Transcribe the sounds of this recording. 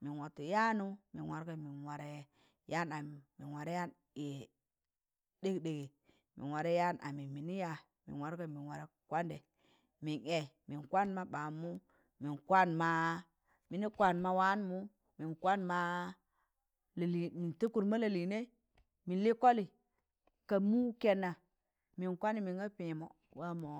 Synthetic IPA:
mi˨nwo˨ti˨ja˦nu˦mḭ˨nwa˨ɾɡa˦mi˨nwa˨ɾe˦˨ | ja˦na˨mi˨nwa˨ɾe˦ja˦n | e˨ | de˦ɡde˨ɡe˨ | mḭ˨nwa˨ɾe˦ja˦nʔa̰˨mi˨mi˨ni˦ja˦ | mḭ˨nwa˨ɾɡa˦˨mi˨nwa˨ɾe˨kwa˦nde˨ | mi˨ne˨mi˨nkʷa˦nma˦ɓa˨mu˦ | mi˨nkʷa˦nma˦ | mi˨ni˦kʷa˦nma˦wa˦n˦mu˦ | mi˨nkwa˦nma˦ | lli˨mi˨nti˦ku˨ɾma˦la˨li˨ne˦ | mi˨nli˦ko˦li˨ | ka˨mu˦ke˨nːa˨ | mi˨nkʷa˦ni˨mi˨ŋɡa˦pĩ˨mo̰˨ | wa˦mo˨˦

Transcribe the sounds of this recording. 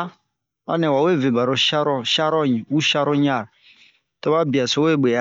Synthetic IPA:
a̰˦ne˨wa˨we˦˨ve˨ba˨ɾo˨ʃa˦ɾɔ˦ʃa˦ɾɔ˦ɲi˨wu˦ʃa˦ɾo˦ɲ˦a˦˨ɾ | to˦ba˦bi˨a˨so˨˦we˦˨ɡ͡be˨a˦

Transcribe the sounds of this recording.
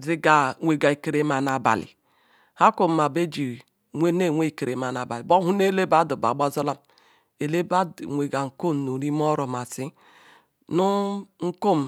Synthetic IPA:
zi˦ɡa˨ŋʷe˨ɡa˨i˨ke˨ɾe˦ma˨na˨ba̰˨lḭ˨ | ha˦ko˨ma˨be˦d͡ʒi˨ | ŋʷe˦ne˦˨wʷe˦i˨ke˨ɾe˨ma˨na˨ba˨li˨bo˦hu˦ne˦le˦ba˦du˨ba̰˨ɡ͡ba˦zo˦la˦m | e˨le˦ba˦dŋʷe˨ɡa˨ŋ̩˨ko˦˨nu˨ɾi˦m˦ɔ˦ɾɔ˨ma˨si˦ | nu˦ŋ̩˦ko˦m˨

